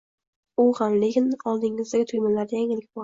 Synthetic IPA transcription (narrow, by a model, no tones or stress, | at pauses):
ʊʁanlekʲʰɪnɒlˠd̪ɪŋɪzd̪aɡʲɪt̪ʰʊjmalaɾd̪ajaŋɪlɪkʲbɒ